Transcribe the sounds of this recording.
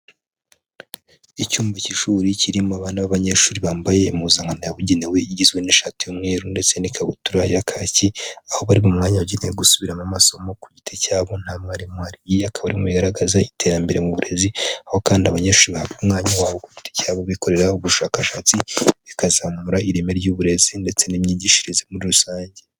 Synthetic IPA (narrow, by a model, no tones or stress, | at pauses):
icuːmbaciʃuːɾiciɾimoaβaːnaβaβaɲeʃuːɾiβaːmbaje̞muzaŋanojaβuɟenewe̞iɟizɡweniʃatijomŋeːɾunde̞t͡se̞nikʰaβutuɾajakʰaːciaho̞βaɾiβomŋaːɲaβuɟeneweɡusuβiɾamamaso̞mo̞kuɟitʰecaːβo̞n̥haːmaɾimuhaɾijiakʰaβaɾimuβiɡaɾaɡazaitʰe̞ɾambe̞ɾḛmuβuɾe̞ziaho̞kaːndiaβaɲeʃuːɾiβahaβɡumŋaːɲawaːβo̞kuɟitʰe̥caːβoβiko̞ɾe̞ɾauβuʃaːkaʃat͡siβikazamuɾaiɾime̞ɾjuːβuɾe̞zinde̞t͡se̞nimɲiːɟiʃiɾizemuɾiɾusaːɲɟe